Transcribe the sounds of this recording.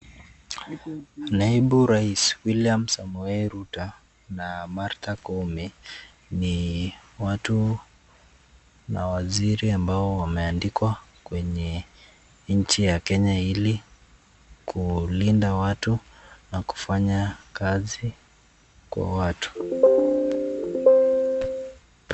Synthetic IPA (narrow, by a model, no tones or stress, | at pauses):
naiɓuɾaiswiliamsamuɛɾuta | namaɾtakɔmi | niwatu | nawaziɾiambaɔwamɛandikwakwɛɲɛ | ɲ̩t͡ʃijakɛɲaili | kʰulindawatunaku̥faɲakazi | kwa̰watu̥